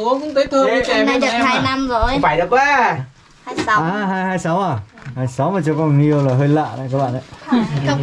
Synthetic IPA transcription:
u˨˦kʊ̰˧˥ŋ͡mt̪ʰəː˨˦jt̪ʰɨ˧ə˨ka˧na˧jɗɨ˨˩˧k̚haː˧jna˧mzo˨˩jfaː˨˧˩jɗə˨˩k̚ɓaː˧˩˧ | aː˨˩ɦaː˧jhaː˧jsa˨˦wʔaː˨˩haː˧˩jsa˨˦wmaː˨˩t͡ɕɔ˧kɔ˧˨˩ŋi˧ə˧wlaː˨˩ɦəː˧jlə̰ː˧˨na̰˧˨kaː˨˦˥kɓa̰ː˧˨na˧˩˦

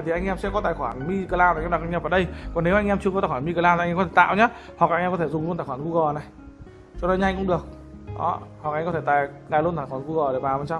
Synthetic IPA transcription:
t̪ʰi˨˩ʔa˧jŋ̟ʔɛ˧msɛ̰˧˥kɔ˨˦t̪aː˨˩xwaː˧˩nmi˧kə˧laː˧na˨˩jkɔ˧˦ɗa˨˩kʔŋ̟aː˧˩vaː˧˩ɗə˧jkɔ˨˩ne˨˦wʔa˧jŋʔɛ˧mt͡ɕɨ˧əkɔ˦aː˨˩waː˧˨mi˧kəː˧˩laː˧˨˧kɔ˦t̪ʰe˧˩t̪ːwɲa˨˦ | hk̚ːjŋʔkɔ˨˦e˧˩zʊ˨˩ŋ͡mlt̪aː˨˩xwaː˧˩ku˧ɣɔ˨˩na˨˩j | t͡ɕɔ˧ɗo˨˦ɲa˧ŋkʊ̰˧˥ŋ͡mɗɨ˨˩ək̚ | ɗɔ̰˨˦ha˨˩ka˨˧jŋkɔ˨˦t̪ʰe˧˩t̪aː˨˩j | ŋa˨˩jlu˧ənt̪aː˨˩jxwaː˧˩nku˧ɣɔ˨˩ɗe˧˩vaː˨˩mə˨nsa˧w

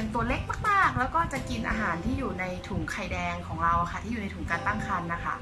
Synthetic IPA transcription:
nt̪u˧˩əle˦˥˩k̚maː˥˩k̚maː˥˩k̚lɛː˦˥wkɔː˥˩t͡ɕa˨˩ʔki˧nʔa̰ː˧ɦaː˩˦nt̪ʰiː˥˩juː˨˩na˧jt̪ʰu˨˩˦ŋkʰa˧jdɛː˧ŋkʰɔː˩˦ŋɾa˧wʔa˨˩xʰa˦˥˩iː˥˩˨uː˨na˧jt̪ʰuː˨˩˦ŋkaː˧nt̪a˥˩ŋkʰa˧nːa˦˥kʰa̰˥˩

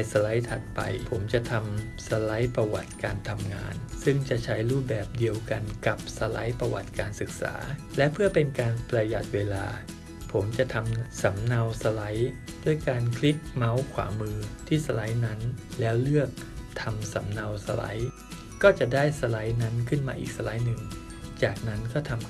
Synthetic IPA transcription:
a˧jsa˧la˦˥jt̪ʰa˨˩t̪̚pa̰˧jpʰo˩˦mt͡ɕa˨˩t̪ʰa˧m | sa˧la˦˥jpɾa˧wa˨˩t̪̚kaː˧nt̪ʰa˧mŋa̰ː˧nsɯ˥˩ŋt͡ɕa˨˩ʔt͡ɕʰa˦˥jɾuː˥˩p̚bɛː˨˩p̚di˧əwka˧nka˨˩p̚sa˧la˦˥jpɾa˧wa˨˩t̪̚kaː˧nsɯ˨˩k̚sa̰ː˩˦lɛ˦˥pʰɯ˥˩əpe˧nkaː˧npɾa˧ja˨˩t̪̚weː˧la̰ː˧ | pʰo˩˦mt͡ɕa˨˩ʔt̪ʰa˧msa˩˦mna˧wsa˧la˦˥j | d̥u˥˩jkaː˧nkʰli˦˥k̚ma˦˥wkʰwa̰ː˩˦mɯː˧t̪ʰiː˥˩sa˧la˦˥jna˦˥nlɛː˦˥wlɯ˥˩ək̚t̪ʰa˧msa˩˦mna˧wsa̰˧la̰˦˥j | kɔː˥˩t͡ɕa˨˩ʔdaː˥˩jsa˧la˦˥jna˦˥nkʰɯ˥˩nmaː˧ʔiː˨˩k̚sa˧la˦˥jnɯ˨˩ŋ | t͡ɕaː˨˩k̚na˦˥nkɔː˥˩t̪ʰa˧m

